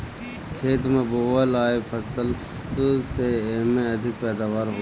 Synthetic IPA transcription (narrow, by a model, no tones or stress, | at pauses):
kʰeːt̪mẽboːʋəlaːepʰəsəl | seeːmẽəd̪ʱɪk̚pɛːd̪aːʋaːɾɦo